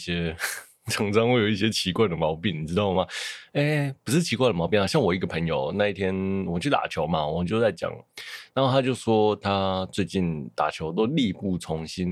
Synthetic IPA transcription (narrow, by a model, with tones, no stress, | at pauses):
ɕɛ˥ | t͡sʰɤ˧˥ŋt͡sɑ˥ŋwe˥˩ɪjo˨˩ʊi˥˩ɕjɛ˥t͡ɕʰi˧˥kwa˥˩ɪd̪ə˩mɑ˧˥ʊpi˥˩ni˨˩ʈ͡ʂɻ̩˥t̪ɑ˥˩ʊ˩ma˨˩e˥˩pu˨˩ʂɻ̩˥˩t͡ɕʰi˧˥kwa˥˩d̪ə˩mɑ˧˥ʊpi˥˩na˨˩ɕjɑ˥˩ŋwɔ˨˩i˧˥ɡə˨pʰə˧˥ŋjo˨ʊna˥˧i˥˩t̪ʰjɛ˥nwɔ˨mə˨˦t͡ɕʰy˥˩t̪a̰˨˩t͡ɕʰjo˧˥ʊma˦wɔ˨˩mə˧˦nt͡ɕjo˥˧ʊt͡sa˥˩ɪt͡ɕjɑ̰˨˩˦ŋna˨˩˦nxo˥˩t̪ʰa˥t͡ɕjo˥˩ʊʂwɔ˥t̪ʰa˥t͡swe˥˧ɪt͡ɕi˥˩nt̪a̰˨˩t͡ɕʰjo˧˥ʊt̪o˥ʊli˥˧pu˥˩t͡sʰʊ˧˥ŋɕi˥n